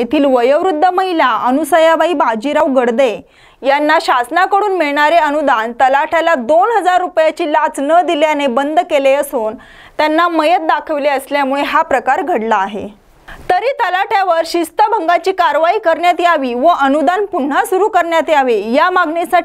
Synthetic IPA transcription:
et̪ʰiːlʋəjəʋɾud̪ʱːəməɦilaənusəjabaiːbad͡ʑiɾaʋɡəɽd̪e | janːaɕasnakəɽuːnmiɭɳaɾeənud̪ant̪əlaʈʰjalad̪onɦəd͡zaɾːupjat͡ɕiːlat͡snəd̪iljanebənd̪ʱkeleəsuːn | t̪janːaməjət̪̚d̪akʰəʋleəsljamuɭeɦapɾəkaɾɡʱəɽlaːɦḛ | t̪əɾiːt̪əlaʈʰjaʋəɾɕist̪əbʱəŋɡat͡ɕiːkaɾʋaiːkəɾɳjat̪iaʋiːʋəʔənud̪anpuɳ̤ːasuɾuːkəɾɳjat̪iaʋejamaɡɳesaʈ

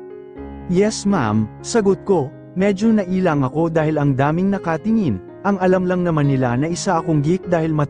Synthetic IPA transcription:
jɛsma̰msɐɡot̪̚ko̞ | mɛd͡ʒo̞nɐʔiːlɐŋɐko̞d̪aːhɪlɐŋd̪aːmɪŋnɐkat̪ɪŋɪn | ʔɐŋɐlamlɐŋnɐmanːɪlanɐʔɪsaʔɐko̞ŋɡik̚d̪aːhɪlmɐ

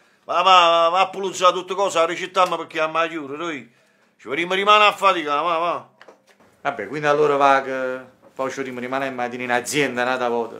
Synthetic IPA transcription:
vavavapːulud̪sat̪ːut̪ːəkɔːsarət͡ʃɪt̪ːamːəpəkːiamːad͡ʒuːɾəɾoi | t͡ʃəəɾiməɾimaːnafːat̪ikavava | abːɛkwind̪alːoːɾəvakə | pat͡ʃəəɾiːməɾimaːnɛmːat̪ininad̪zːjɛnd̪anat̪apɔːt̪ə̰

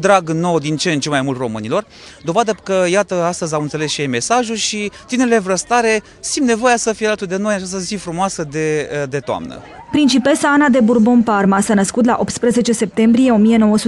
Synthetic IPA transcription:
d̪ɾaɡno̞wd̪int͡ʃent͡ʃemajmult̪ro̞mɨnilo̞r | d̪o̞vad̪əkəjat̪əast̪əzʲamɨnt̪sele̞sʃijejme̞saʒulʃit̪ineɾelevɾəst̪aɾe̞ | simnevo̞jasəfijelat̪ud̪e̞no̞j̪at͡ʃas̬t̪əzifɾumoasəd̪ed̪e̞t̪oa̰mnə̰ | pɾint͡ʃipe̞səanad̪e̞burbo̞nparmasanəskut̪laʔo̞p̚t̪spɾəze̞t͡ʃe̞se̞p̚t̪e̞mbɾije̞o̞mije̞no̞wəsu

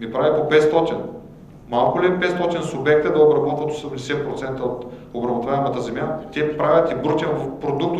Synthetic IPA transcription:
mipɾavʲipopɛt̪st̪ɔt̪in | malˠkʊlipɛt̪st̪ɔt̪insʊbɛk̚t̪əd̪ɐobɾɐbɔt̪vət̪o̥sɛmd̪ɛsɛpɾot̪sɛnt̪əot̪ | obɾɐbot̪vaɛmɐt̪əzɛmjat̪ʲɛpɾavʲɐt̪ibɾot̪ʲinpɾod̪ukt̪

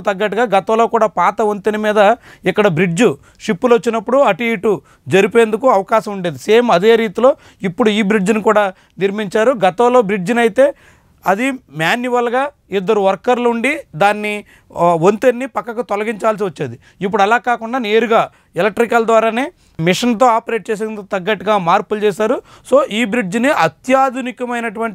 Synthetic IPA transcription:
t̪ɐɡːɐʈ̬ːuɡaːɡɐt̪ɐʋloːkuːɽaːpaːt̪ɐʋont̪enimiːd̪ɐ | ikːɐɽɐbɾid͡ʒu | ʂipːulot͡ʃːinɐpːuɽuɐʈiiːʈu | d͡ʒɐɾipeːnd̪ukuɐʋɐkaːʃɐmuɳɖeːd̪iseːmɐd̪e̞ːɾiːt̪ilo̞ː | ipːuɽuiːbɾid͡ʒunikuːɽaː | niɾmiɲt͡ʃaːɾuɡɐt̪ɐʋlo̞ːbɾid͡ʒinɐjt̪e̞ː | ɐd̪imjaːnjuʋɐlɡaː | id̪ːɐɾuʋɐɾkɐɾluɳɖid̪aːnːi | ʋont̪enːipɐkːɐkut̪ɔlɐɡiɲt͡ʃaːls̬iʋɐt͡ʃːeːd̪i | ip̬ːuɽɐlaːkaːkuɳɖaːneːɾuɡaː | ɛlɐk̚ʈːɾikɐld̪ʋaːɾaːneː | miʂɐnt̪o̞ːaːpɐɾe̞ːʈ̚t͡ʃeːs̬end̪ukt̪ɐɡːɐʈːiɡaːmaːɾpult͡ʃɛːʃaːɾu | so̞ːʔiːbɾid͡ʒniʔɐt̪jaːd̪ʱunikɐmɐjnɐʈuʋɐɳʈ

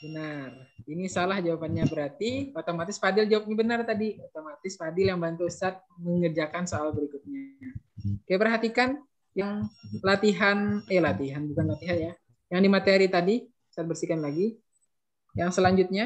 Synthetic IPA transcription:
bənarinisalahd͡ʒawapanɲabəɾart̪iot̪omat̪ɪspadɪld͡ʒawap̚ɲabənart̪adiot̪omat̪ɪspadɪljaŋbant̪uəsat̪̚məŋərd͡ʒakansoalbəɾikʊt̪̚ɲa | kajapərɦat̪ikan | jaŋlat̪iɦanjalat̪iɦanbukanlat̪iɦanja | jaŋdimat̪eɾit̪adi | sat̪̚bərsikanlaɡi | jaŋsəlaɲd͡ʒut̪̚ɲa

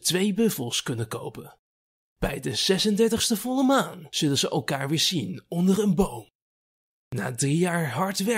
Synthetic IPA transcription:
tʋejbɵfəlˠskɵnəkowpən | b̥ɛjdəz̥ɛsəndɛɹtəχstəvɔləmaːnz̥ɵlənzəʔɛlˠkaːɹʋɪːɹzinɔndəɹənbowm | na̰ːdrijaːɹɦɑɹtʋɛ

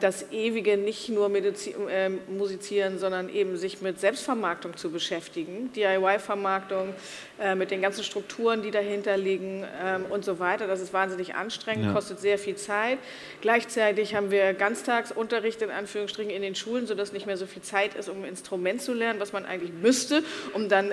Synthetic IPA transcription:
d̥asʔeːviɡənɪçtnuːɐmedit͡sɛːmuzit͡siːʁənzɔndɐnʔeːbm̩zɪçmɪtz̥ɛlpstfɛɐmaɐk̚tʊŋt͡subəʃɛftɪɡŋ̩d̥iːaɪwaɪfɛɐmaɐktʊŋ | ʔɛːmɪt̚d̥eːnɡansn̩ʃtʁ̥ʊk̚tʰuːʁəndiːdaɦɪntɐliːɡŋ̩ɛmʔʊntz̥ovaɪtɐdas̬ɪstv̥aːnzɪnɪçʔa̰nʃtʁ̥ɛŋəntkʰɔstətz̥eːɐfiːlt͡saɪt | ɡ̥laɪçt͡saɪtɪçhaːbm̩viːɐɡant͡stʰaːksʔʊntɐʁɪçtɪnʔa̰nfyːʁ̞ʊŋstʁ̥ɪçnɪndeːnʃuːlənzoːdasnɪçtmeːɐzoːfiːlt͡saɪtɪ̰stʊmɪ̰nstʁ̥umɛntt͡sulɛɐnənvasmanʔa̰ɪɡŋ̩tlɪçmʏstəʔʊmdan

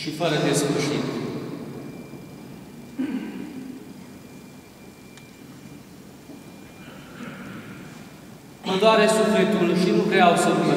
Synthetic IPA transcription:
ʃifəɾəd̪e̞sfuʃḭt̪ | ənd̪oaɾesuflet̪ulʃinukɾeawsəume

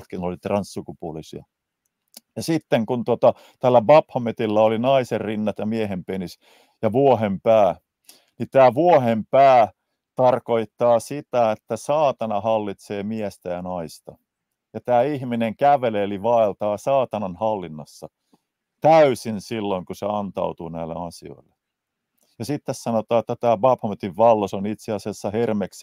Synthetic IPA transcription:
t̪kinolit̪rɑnssukupuolisiɑ | jɑsit̪ːeŋkunt̪ot̪ɑ | t̪ælːæbɑphɑmet̪ilːæolinɑiserrinːɑt̪jɑmiæɦempenis | jɑʋuoɦempæː | nit̪æːʋuohempæː | t̪ɑrkoit̪ːɑːsit̪æet̪ːæsɑːt̪ɑnɑhɑlːit̪seːmiæst̪æjɑnɑist̪ɑ | jɑt̪æːihmineŋkæʋeleliʋɑelt̪ɑːsɑːt̪ɑnɑnhɑlːinːɑ̰sːɑ | t̪æysinsilːoiŋkuseɑnt̪ɑ̰ut̪uːnæilːḛɑsio̰ilːe | jɑsit̪ːessɑnot̪ɑːet̪ːæt̪æːbɑphɑmet̪iʋʋɑlːosonit̪seɑsiɑsːɑhermeks

